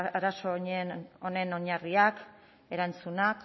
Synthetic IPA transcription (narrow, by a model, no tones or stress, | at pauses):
aɾaso̞ɲeo̞ne̞no̞ɲariak | e̞ɾant͡sunak